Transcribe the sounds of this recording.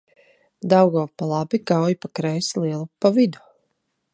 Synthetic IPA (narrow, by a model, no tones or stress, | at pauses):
d̪awɡɔːpalˠabiɡawjpakɾɛjslˠiɛlˠupavid̪u̥